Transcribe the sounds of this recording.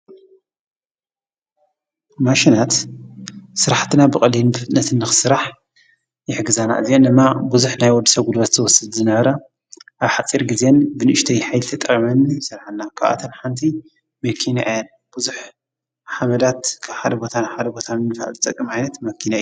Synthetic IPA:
maʃinat̪ | sɨɾaħt̪ʰɨnabɨkʼɐlinbɨfɨt̪ʼɨnːɐt̪ʰɨnːɨxɨ̥sɨɾaħ | jɪħɡɨzana̰ʔɨziend̪ɨmːabuzuħnajwɔd̪ːɨ̥sɐɡulβɐt̪zɐwɔsɨd̪zɨnɐβɐɾɐ | ʔaβħat͡sʼiɾɡize̞nbɨnɨʔɨʃt̪ʰɐjħajlt̪ʰɐt̪ʼɐχʼimɐnːijsɨɾħanːakʰaβʔa̰t̪ʰɐnħant̪ʰi | mɐkʰːina̰ʔjɛn | b̥uzuħ | ħamɐd̪at̪kʰaβħad̪ɐbo̞t̪ʰanħad̪ɐbo̞t̪ʰanɨnɨfaa̰lzɨt̪ʼɐkʼːɨmajnɐt̪mɐkʰːinaj

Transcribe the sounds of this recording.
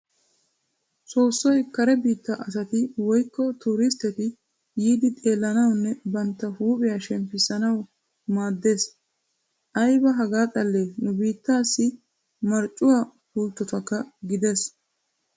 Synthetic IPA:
soːsːɔjkɐɾɛbiːt̪ːɐʔɐsɐt̪ɪwɔjkːɔt̪uːɾɪst̪ɛt̪ɪ | jiːd̪ɪt̪ʼe̞ːlːɐnɐwnːɛbɐnt̪ːɐhuːpʼɪjaːʃɛmpɪsɐnɐw | maːd̪ːe̞ːs | ʔɐjbɐɦɐɡaːt̪ʼɐlːenʊbiːt̪ːaːsːɪ | mɐɾt͡ʃʼʊwaː | huːlt̪ːɔt̪ɐkːɐɡɪd̪es

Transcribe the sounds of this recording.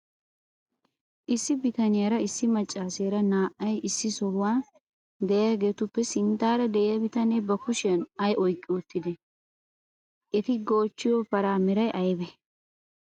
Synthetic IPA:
ʔɪsːɪbɪt̪ɐnɪjɐɾɐɪsːɪmɐt͡ʃʼːaːseːɾɐnaːʔːɐjɪsːɪsɔhːaː | d̪ɛjɐɡe̞ːt̪ʊpːɛsɪnt̪ːaːɾɐd̪ɛʔɛjɐbɪt̪ɐneːbɐkʊʃɪɐnɐjɔjkʼːɪʊt̪ːɪd̪ɛ | ʔɛt̪ɪɡo̞ːt͡ʃːɪjopɐɾaːmɪɾɐjʔɐjbɛ

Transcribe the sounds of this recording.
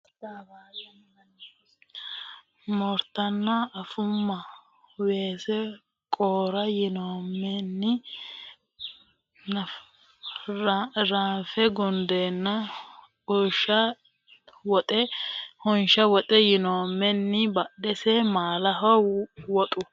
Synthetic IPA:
daba | mɔɾt̪ɐnːɐɐfʊmːɐ | weːsɛ | kʼoːɾɐjɪnoːmːɛnːɪ | ɾaːnfɛɡɔnd̪enːɐ | ɔʃɐ | wɔt̪ʼɛhɔnʃɐwɔt̪ʼɛjɪnoːmːɛnːɪbɐɗɛsɛmaːlɐɦɔwɔt̪ʼʊ

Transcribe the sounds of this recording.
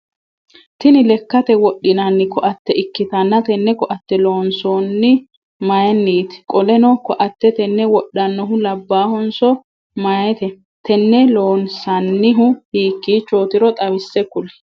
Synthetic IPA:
t̪ɪnɪlɛkːɐt̪ɛwɔɗːɪnɐnːɪkɔʔɐt̪ːɛʔɪkːɪt̪ɐnːɐt̪ɛnːɛkɔʔɐt̪ːɛlo̞ːnsoːnːɪ | mɐjɛnːiːt̪ɪ̥kʼɔlɛnɔkːɔʔɐt̪ːɛt̪ɛnːɛwɔɗːɐnːɔɦʊlɐbːaːhɔnsɔ | mɐjɛt̪ɛ | t̪ʰɛnːɛloːnsɐnːɪɦʊhiːkːiːt͡ʃːoːt̪ɪɾɔt̪ʼɐwɪsːɛkʊlɛ̥

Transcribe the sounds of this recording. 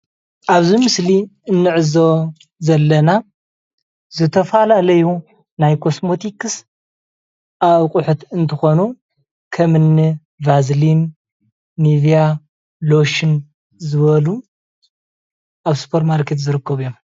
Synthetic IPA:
ʔaβzimɨsliɨnːɨʕɨzo | zɐlːɐna | zɨt̪ʰɐfalalɐju | najkʰo̞smo̞t̪ʰikɨs | ʔaβkʼuħut̪ɨnt̪ʰɨxo̞nu | kʰɐmɨnːi | vazlinː | ivija | lo̞ʃin | zɨβɐlu | ʔaβspʰoɾmalkʰːet̪zɨɾɨkːɐβɨjom

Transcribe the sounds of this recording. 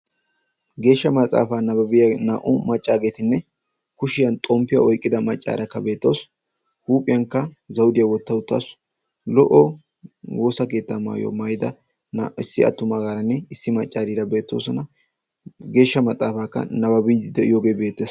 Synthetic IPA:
ɡe̞ːʃːɐmɐt͡sʼa̰ːfaːnɐbɐbɪjɐna̰ːʔʊmɐt͡ʃʼːaːɡe̞ːt̪ɪnːɛ | kʊʃɪjɐnt̪ʼɔmpːɪjɐʔɔjkʼːɪd̪ɐmɐt͡ʃʼːa̰ːɾɐkːɐbe̞ːt̪ːo̞̰ːs | huːpʼːɪjɐŋkːɐzɐwʊd̪ɪjɐwɔt̪ːɐʊt̪ːa̰ːs | lɔʔɔ | wo̞ːsɐke̞ːt̪ːɐama̰ːjo̰ːmɐjɪd̪ɐ | nːʔɪsːɪɐ̰t̪ːʊmaɡaːɾɐnːɛɪsːɪmɐt͡ʃʼːaːɾiːɾɐbe̞ːt̪ːoːsɔnɐ | ɡe̞ːʃːɐmɐt͡sʼːaːfaːkːɐ̰nɐbɐbɪd̪ɐjoːɡeːbeːt̪ːeːs

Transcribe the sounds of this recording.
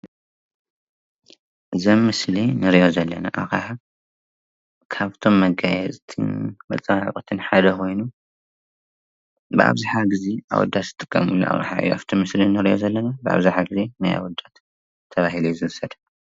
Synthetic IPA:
ʔɨzɐmːɨslinɨɾiʔo̞zɐlːɐna̰ʔakaħa | kʰaβt̪ʰo̞mːɐɡajɛzʼt̪ʰɨ̰nmɐt͡sʼɐwaʕkʼɨt̪ʰɨnħad̪ɐkʰo̞jnu | bɨʔa̰βzɨħaɡɨzia̰wɔ̰d̪ːat̪z̥ɨt̪ʼɨkʼːɐ̰mulːṵʔa̰ʔʼa̰ħaʔḭjo̰ʔa̰βt̪ʰomːɨslinɨɾijo̞̰zɐlːɐnabɨʔa̰βzɨħaɡɨzenaja̰wɔd̪ːat̪ʰː | ɐβaɦilujzɨɾsɐd̪

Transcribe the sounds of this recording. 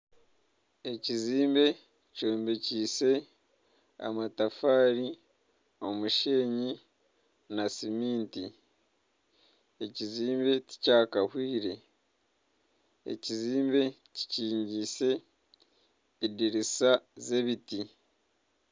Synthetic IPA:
e̞ciziːmbe̞ | coːmbeciːse̞ | a̰matafaːɾi | o̞muʃeːɲi | nasimiːnti | eciziːmbe̞ci̥caːkahwiːɾe̞ | ḛciziːmbe̞ | ci̥ciːɲɟise̞ | diɾisaze̞βiti

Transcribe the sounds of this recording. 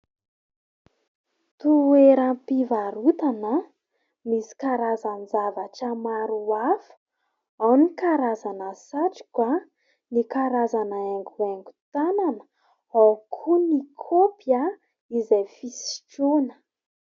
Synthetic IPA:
t̪ueɾampivaɾut̪anə | misi̥kaɾazanzavaʈ͡ʂəmaɾuafə̥ | awnikaɾazanəsaʈ͡ʂi̥kwa | nikaɾazanaeŋɡueŋɡu̥t̪ananə̥ | awkʰunikʰopja | izajfisi̥ʈ͡ʂunə

